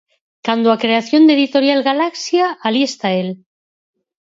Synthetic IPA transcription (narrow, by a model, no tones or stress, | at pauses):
kand̪oakɾe̞aθjo̞nd̪e̞ðit̪o̞ɾjalɣalaksjaalje̞st̪ael